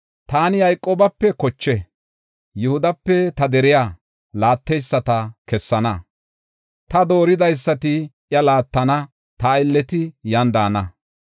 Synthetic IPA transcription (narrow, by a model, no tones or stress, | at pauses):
t̪aːnɪjɐjkʼːoːbɐpːɛkɔt͡ʃːɛ | jʊhʊd̪ɐpːɛt̪ɐd̪ɛɾɪja | laːt̪ːɛjsːɐt̪ɐkɛsːɐnɐ | t̪ɐd̪o̞ːɾɪd̪ɐjsːɐt̪ɪʔjɐlaːt̪ːɐnɐ | t̪aɪlːɛt̪ɪjɐnd̪aːnɐ